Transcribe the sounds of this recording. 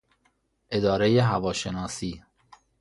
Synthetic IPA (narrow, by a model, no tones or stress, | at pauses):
ʔe̞d̪ɒːɾejeɦævɒːʃenɒːsiː